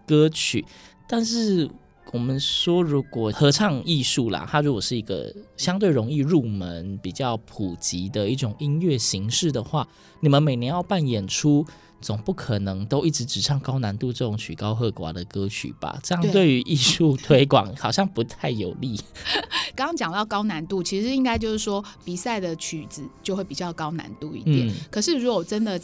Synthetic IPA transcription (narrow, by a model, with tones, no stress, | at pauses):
kə˥t͡ɕʰy̰˨˩˦t̪a˥˧nʂɻ̩˥˩ | wɔ˨˩mə˨˦nʂwɔ˥ɻu˧˦˥kwɔ˨˩xɤ˧˦˥ʈ͡ʂʰɑ˥˧ŋi˥˧ʂu˥˩la̰˨t̪ʰa˥ɻu˧˥kwɔ˨˩ʂɻ̩˥˩i˧˥ɡə̰˧ɕjɑ˥ŋt̪we˥˩ɪɻo˧˥ŋi˥˧ɻu˥˩mə˧˦npi˨˩t͡ɕjɑ˥˩ʊpʰu˨˩t͡ɕi˧˥d̪ə˨i˥˩ʈ͡ʂʊ˨˩ŋi˦˥nɥɛ˥˩ɕi˧˥ŋʂɻ̩˥˩d̪ə˩xwa˥˩ | ni˨˩mə˦nme˨˩ɪnjɛ˧˦jɑ˥˧ʊpa˥˩njɛ˨˩nʈ͡ʂʰu˦ | t͡so˨˩ŋpu˥˩kʰə˨˩nɤ˧˦ŋt̪o˥ʊi˥˩ʈ͡ʂɻ̩˧˦ʈ͡ʂɻ̩˨˩ʂʰɑ˥˩ŋkɑ˥ʊna˧˥nt̪u˥˧ʈ͡ʂɤ˥˩ʈ͡ʂʊ˨˩˦ŋt͡ɕʰy˨˩kɑ˦ʊxɤ˥˩kwa̰˨˥d̪ə˨kɤ˥t͡ɕʰy̰˨˩b̥a̰˨˩ʈ͡ʂə˥˧jɑ˥˧twe˥˩ɪy˧˥ʔi˥˧ʂu˥˧t̪ʰwe˥ɪkwɑ̰˨˩˦ŋxɑ˨˩ʊɕjɑ˥˩ŋpu˧˦t̪ʰa˥˩ɪjo˨˩ʊli˥˨˩ | kɑ˥ɑ˥ŋt͡ɕjɑ˨˩ŋt̪ɑ˥˩ʊkɑ˥ʊna˧˥nt̪u˥˩t͡ɕʰi˧˥ʂɻ̩˧i˥ŋka˥ɪt͡ɕjo˥˧ʂɻ̩˥˩ʂwɔ˥pi˨˩sa˥˩ɪd̪ə˨t͡ɕʰy˨˩d͡z̩˨˦t͡ɕjo˥˧ʊxwe˥˩ɪpi˨˩t͡ɕjɑ˥˩ʊkɑ˥ʊna̰˧˦nt̪u˥˧ḭ˥˩nt̪jɛ̰˨˦˩nkʰɤ˨˩ʂɻ̩˥˩˨ɻu˧˥kwɔ˨˩ʈ͡ʂə˦nd̪ə˨